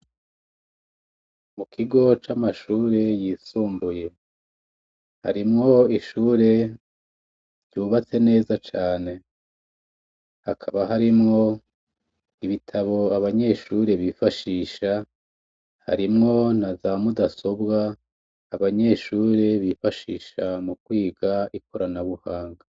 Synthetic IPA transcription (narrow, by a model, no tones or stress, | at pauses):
mukʰiɡo̞t͡ʃamaʃuːɾe̞jiːsuːmbuje̞ | ha̰ɾimŋo̞iʃuːɾe̞ | ɾjuːβat͡se̞ne̞ːzat͡ʃaːne̞ | ha̰kʰaβaɦaɾimŋo̞ | iβitʰaβo̞aβaɲe̞ʃuːɾe̞βifaʃiːʃa | ha̰ɾimŋo̞nazamudaso̞bɡaː | βaɲe̞ʃuːɾe̞βifaʃiːʃamukwiːɡaikʰoɾanaβuhaːŋɡa